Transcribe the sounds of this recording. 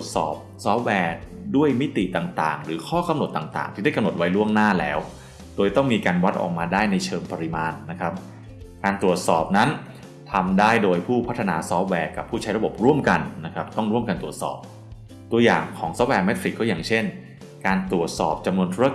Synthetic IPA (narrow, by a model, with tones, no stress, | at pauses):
t̪u˨˩ət̪̚sɔ̰ː˨˩p̚sɔː˦˥p̚wɛː˧du˥˩əjmi˦˥t̪ḭ˨˩t̪aː˨˩ŋt̪a̰ː˨˩ŋɾɯː˩˦kʰɔː˥˩ka˧mno˨˩t̪ːaː˨˩ŋt̪a̰ː˨˩ŋt̪ʰi˥˩da˥˩ka˧mno˨˩t̪̚wa˦jlu˥˩əŋnaː˥˩lɛ̰ː˦˥w | d̥oː˧jt̪ɔ˥˩ŋmiː˧kaː˧nwa˦˥t̪̚ʔɔ̰ː˨˩k̚maː˧daː˥˩jna˧jt͡ɕʰɤː˧ŋpa˧ɾi˧maː˧nːa˦˥kʰɾa˦˥p̚ | kaː˧nt̪ɾu˨˩ət̪̚sɔː˨˩p̚na˦˥n | t̪ʰa˧mdaː˥˩jdoː˧jpʰuː˥˩pʰa˦˥t̪ʰːa˧naː˨˧sɔː˦˥p̚wɛː˧ka˨˩pʰːuː˥˩t͡ɕʰa˦˥jɾa˧bo˨˩p̚ɾu˥˩əmka˧nːa˦˥kʰɾa˦˥p̚t̪ɔ˥˩ŋɾu˥˩əmka˧nt̪ɾu˨˩ət̪̚sɔ̰ː˨˩p̚ | t̪u˧əja̰ː˨˩ŋkʰɔː˩˦ŋsɔː˦˥p̚wɛː˧mɛ˦t̪̚fi˨˩kːɔː˥˩jaː˨˩ŋt͡ɕʰe˥˩n | kaː˧nt̪ɾu˨˩ət̪̚sɔː˨˩p̚t͡ɕa˧mnu˧ənt̪ʰuː˦˥a˧